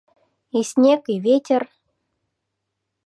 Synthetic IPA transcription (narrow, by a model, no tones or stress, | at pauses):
isʲnʲekiβʲetʲer